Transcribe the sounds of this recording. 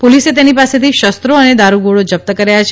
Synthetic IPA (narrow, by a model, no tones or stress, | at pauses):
poliset̪̬enipaset̪iʃəst̪ɾoəned̪aɾuɡoɭod͡ʒəp̚t̪əkəɾajat͡ʃʰ